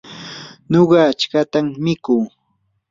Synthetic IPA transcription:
ɲoɢɑːt͡ʃkat̪amːɪkuː

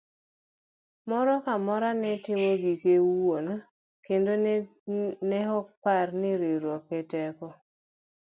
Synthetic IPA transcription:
mɔɾɔkamɔɾanɛtɪmoɡikewona | kendo | nɛhɔk̚parnɪɾeɾwɔkːɛtɛkɔ

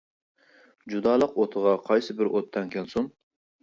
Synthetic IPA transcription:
d͡ʒud̪ɑːlˠəqot̪ʰəʁɑqʰɑjsɨbɪɾʔot̪ʰːɛŋkʲʰɛnsum

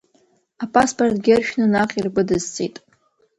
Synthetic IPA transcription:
apʼaspʰʼortʼɡʲɪrʃᶣnɨnaqʲʼirɡʷʊdɨzt͡sʼḭjtʼ

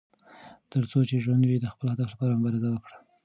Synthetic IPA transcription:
t̪əɾt͡sot͡ʃeʒwand̪wid̪əxpəlhad̪aflapɑɾamʊbɑɾɪzawəkɽḁ

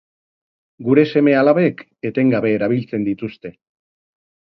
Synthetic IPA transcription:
ɡuɾe̞se̞me̞alaβe̞k | e̞t̪eŋɡaβe̞ːɾaβ̞ilt͡se̞nd̪it̪ust̪e̞

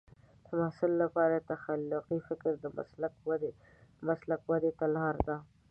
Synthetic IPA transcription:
d̪̥əmahsɪlːapɑɾat̪axalːʊqifɪkɾd̪əm̰slakwd̪ | maslakwad̪et̪alhɑɾd̪a

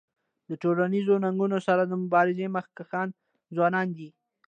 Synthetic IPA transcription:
d̪əʈolanizonaŋɡunosaɾad̪əmʊbɑɾɪzeməxkaxɑn | zwɑnɑnd̪i

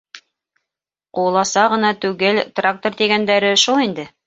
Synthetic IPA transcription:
qulˠɑsɑʁɤ̆nɑt̪ʉɡɘlt̪rak̚t̪ort̪iɡænd̪æɾɘʃulˠind̪ɘ

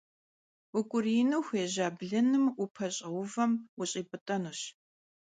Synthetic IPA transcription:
ʊkʷʼʊrinɨwxʷeːʑaːbɮɨnɨmʊpʰɐɕʼɐwʊvɐmʊɕʼiːpʼɨtʼɐnuːɕ

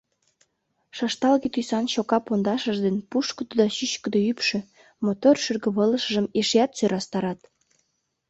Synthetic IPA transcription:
ʃɑʃt̪ɑlɣet̪yjsɑnɕokɑpond̪ɑʃəʒd̪enpuʃkə̆d̪od̪ɑɕyɕkə̆d̪oypʃø̆ | mot̪orʃyrɣə̆βələʃə̆ʒəmeʃeɑt̪søɾɑst̪ɑɾɑt̪

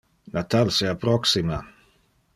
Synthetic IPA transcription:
nat̪alseapɾɔksima

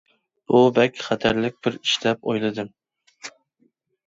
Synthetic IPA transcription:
b̥ubɛkʲχæt̪ʰæɾlɪk̚ʲbɪɾiʃlɛp̚o̰jlˠɨd̪ɨm

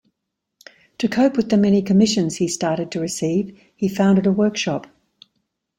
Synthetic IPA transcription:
tʰəkʰəʊpwɪðəmɛñikʰəmɪʃə̃nz̥histɑˑɾɪd̚tʰəɹɪsiːv̥ | ifãʊ̃ndɪɾəwɜˑkʃɒp

